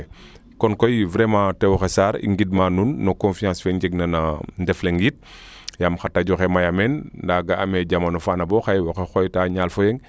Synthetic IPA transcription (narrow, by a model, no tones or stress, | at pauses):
kɔnkɔjvɾɛmãːtɛwxesaːɾḭŋɡid̚manunːɔkɔ̃nfiãːsfɛɲɟɛɡnɐnandɛfleŋɡit̚ | jamxataɟɔxɛmajamɛnndaːɡaamɛɟamanɔfanɐbɔxajwɔxɛxɔjtaɲalfɔjɛŋ